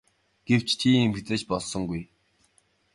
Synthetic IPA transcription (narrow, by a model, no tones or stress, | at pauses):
ɡ̥ew̥t͡ɕt͡ɕʰiːemxt̪ɘ̆t͡ɕpɔɮsɞ̆ŋɡuj